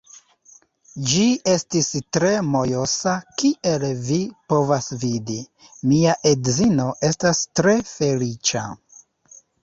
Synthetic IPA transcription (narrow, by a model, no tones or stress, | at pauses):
d͡ʒie̞stistɾe̞mo̞jo̞sakiʔe̞lvipo̞vasvidi | miaʔedzino̞ʔe̞stastɾe̞fe̞lit͡ʃa̰